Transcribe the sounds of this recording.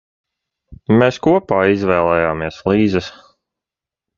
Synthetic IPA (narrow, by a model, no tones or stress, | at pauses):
meːskuɔpaːizvɛːlˠɛːjaːmiɛslˠiːzəs